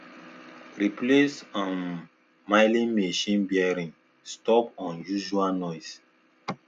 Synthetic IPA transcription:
ɹiplesɔ̃n | maɪlĩmeʃĩnbiɛɾĩŋ | stɔpɔ̃njuʒualnɔɪs

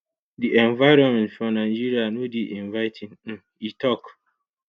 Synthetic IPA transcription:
diʔɛ̃nvaɪɾɔ̃nmɛ̃ntfɹɔ̃nãɪd͡ʒiɾianũdiʔĩnvaɪtʰĩn̩ | itʰɔk

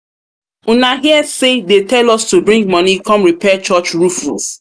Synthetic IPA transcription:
unaɦiɛsedetɛlɔstubɹĩŋɡ̚mɔ̃nikɔ̃mɹipɛt͡ʃɔt͡ʃɹufṵs

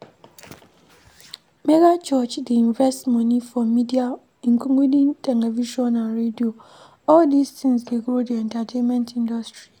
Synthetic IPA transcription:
meɡat͡ʃɔt͡ʃdiĩnvɛstmɔnifɔmidia | ŋ̩kuŋʷidĩntʰɛlɛviʃɔnaɾedio | ɔldistĩŋsdeɡɾodiɛntatʰẽnmɛ̃ntĩndɔstɹi

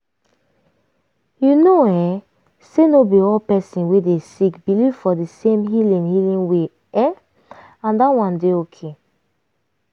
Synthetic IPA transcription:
junoɛ | senobiɔlpɛsĩnwedesikbilivfɔdisẽmɦilĩnhilĩnwe | ɛ | ãndawãndeokʰe

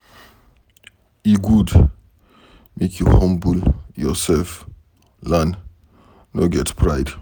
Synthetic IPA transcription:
iɡud | mekʰjuhãmbuljɔsɛlf | lãn | noɡɛtpʰɹaɪd̥

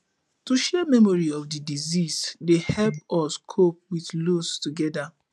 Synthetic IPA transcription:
tuʃɛmɛmɔɹiɔfdidizisdehɛlpɔskʰop̚wiθlostuɡɛda

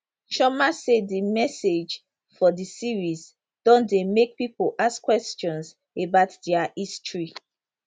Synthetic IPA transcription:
ʃɔmasedimɛsed͡ʒ | fɔdisiɹis | d̥ɔ̃ndemek̚pipoʔaskwɛst͡ʃɔ̃ns | ebaʊtdɛaistɹi

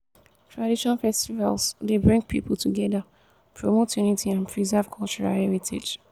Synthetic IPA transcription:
tʰɹadiʃɔ̃nfɛstiva̰lsdebɹĩŋɡ̚pʰḭpəl̩ˠtʰuɡɛðə | pʰɹomotʰjunitʰiãnpʰɹizɛv̥kʰɔlt͡ʃuɹa̰lɛɹitʰḛd͡ʒ

